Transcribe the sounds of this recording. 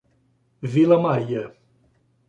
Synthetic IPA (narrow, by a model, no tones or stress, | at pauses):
vilɐmaɾiɐ